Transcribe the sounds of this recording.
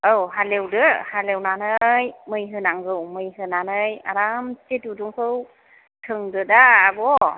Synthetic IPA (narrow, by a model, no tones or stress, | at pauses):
ɯwɦalewdɯhalewnanɯjmɯjɦɯnaŋɡɯwmɯjɦɯnanɯja̰ɾamt͡ʃetuduŋsʰɯw | tʰɯŋdɯdaːbɔ